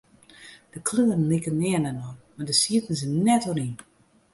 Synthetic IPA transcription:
d̥əkʰløːrən̩likənːɛənənɔmadəsiətn̩sɪnːɛtonin

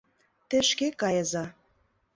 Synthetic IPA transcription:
t̪ĕʃkekɑjəzɑ

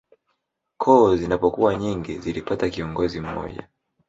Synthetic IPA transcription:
kʰɔːzinapɔkuwaɲiŋɡizilipatakiɔŋɡɔzim̩mɔ̰ʄa̰

